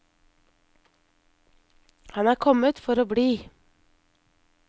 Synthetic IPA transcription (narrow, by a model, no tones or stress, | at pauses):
hɑnæːɾkʰɔmət̪fɔɾoːbɽiː